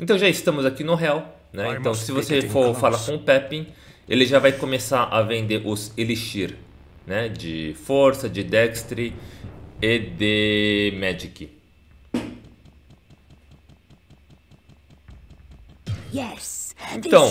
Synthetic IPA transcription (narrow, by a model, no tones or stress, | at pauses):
ẽt̪ɐ̃w̃ʒaɪst̪ɐ̃mʊzakinʊɦeaw | nɛẽt̪ɐ̃w̃sɪvosefoɾfalɐkõʊpɛpĩ | ḛlɪʒavajkõmesaɾʔɐvẽnd̪eʔʊzeliʃiɾ | nɛd͡ʒɪfoɾsɐd͡ʒɪd̪ɛkst̪ɾɪ | ed̪ɪmɛd͡ʒikɪ | ɛsẽt̪ɐ̃w̃